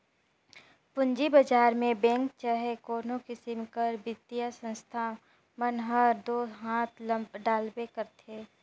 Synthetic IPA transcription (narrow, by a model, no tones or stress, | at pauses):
pʊ̃ɲd͡ʒibəd͡ʒaːɾmẽbɛ̃ːŋkt͡ʃaɦekoːnõkɪsɪmkəɾbɪt̪ːijasə̃nst̪ʰa | mənɦəɾd̪oːɦãːt̪ʰləmbɖaːlbekəɾt̪ʰeː